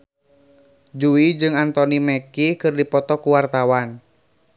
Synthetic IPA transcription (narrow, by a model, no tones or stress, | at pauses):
d͡ʒuid͡ʒɨŋant̪ɔnimɛkikɨrdipɔt̪ɔkuwart̪awan